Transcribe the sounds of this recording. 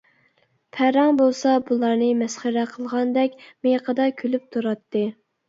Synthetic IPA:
pʰæɾɑŋbolˠsɑbulˠɑɾnɨmɛsχəɾæqʰəlˠʁɑnd̪ɛkʲmejqʰəd̪ɑkʲʰølyp̚t̪ʰuɾɑt̪ːɨ

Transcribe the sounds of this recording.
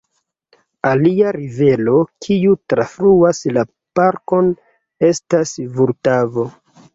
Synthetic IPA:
aliaɾive̞lo̞kʰiutɾafɾuasla | paɾko̞n | e̞stasvuɾtavo̞

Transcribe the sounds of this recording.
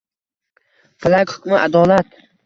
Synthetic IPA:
falakʲhʊ̥kʲmɪʔad̪ɒːlat̪

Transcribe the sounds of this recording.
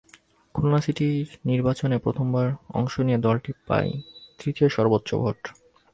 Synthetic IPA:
kʰulonasiʈiɾniɾbat͡ɕonepɾot̪ʰombaɾɔ̰ŋʃonied̪ɔlʈipa̰jt̪ɾit̪ioʃɔɾbot̪ːɕʃo̰bʱo̰ʈ

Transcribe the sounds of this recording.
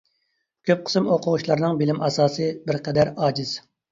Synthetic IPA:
kʲʰøp̚qʰə̥smoqʰʊʁʊʃlˠɑɾnɨŋbɪlɪmʔɑsɑːsɨbɪɾqʰɛd̪æɾɑːd͡ʒiz̥

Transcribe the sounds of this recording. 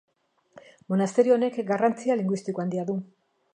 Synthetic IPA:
mo̞nast̪e̞ɾione̞kɡarant͡sialiŋɡwist̪ikoand̪iaðu

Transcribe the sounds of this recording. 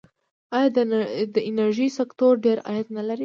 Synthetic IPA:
ɑjɑd̪d̪əɪnaɾʒisakt̪oɾɖeɾɑ̰jat̪nalaɾi

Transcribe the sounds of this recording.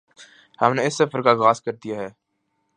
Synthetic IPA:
hɐmneɪsːɐfəɾkaɣaːskɐɾd̪ijaɦɛː

